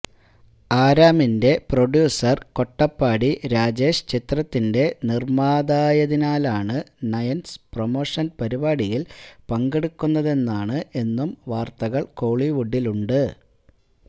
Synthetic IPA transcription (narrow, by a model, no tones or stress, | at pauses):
aːɾaːminde̞proɖjuːsɐrko̞ʈːɐpːaːɽiɾaːd͡ʑe̞ːʂt͡ɕit̪rɐt̪ːinde̞nirmaːd̪aːjɐðinaːlaːɳɨnɐjɐnspromo̞ːʂɐnpɐɾibaːɽijilpɐŋɡe̞ɽukːunːɐðe̞nːaːɳɨʔe̞nːumʋaːrt̪ɐɣɐɭko̞ːɭiʋuɖːiluɳɖɨ